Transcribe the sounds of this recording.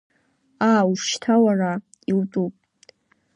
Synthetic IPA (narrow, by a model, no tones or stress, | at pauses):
aːuʃtʰawara | iltʼupʼ